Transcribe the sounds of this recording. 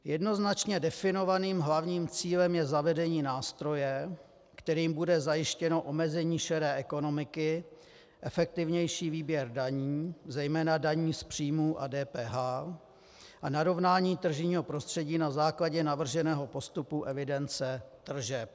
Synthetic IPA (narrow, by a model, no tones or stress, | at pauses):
jɛdno̞znat͡ʃɲɛdɛfɪno̞vaniːmɦlavɲiːmt͡siːlɛmjɛzavɛdɛɲiːnaːst̪ɾo̞jɛ | kt̪ɛɾiːmbudɛzajɪʃcɛno̞ʔo̞mɛzɛɲiːʃɛɾɛːʔɛko̞no̞mɪkɪ | ʔɛfɛk̚t̪ɪvɲɛjʃiːviːbjɛɾdaɲiːzɛjmɛːnadaɲiːspr̝̥iːmuːʔa̰dɛːpɛːɦaː | ʔanaɾo̞vnaːɲiːt̪r̩ʒɪɲiːɦo̞pɾo̞st̪r̥ɛɟiːnazaːklaɟɛnavr̩ʒɛnɛːɦo̞po̞st̪upuʔɛvɪdɛnt͡sɛt̪r̩ʒɛp̚